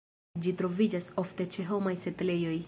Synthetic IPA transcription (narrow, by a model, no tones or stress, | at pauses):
d͡ʒitɾo̞vid͡ʒaso̞fte̞t͡ʃe̞ɦo̞majsetle̞jo̞j